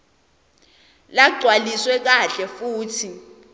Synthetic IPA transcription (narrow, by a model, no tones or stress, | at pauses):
laɡ͡ǀʱwaliswɛk̬aɬɛfuːtʰi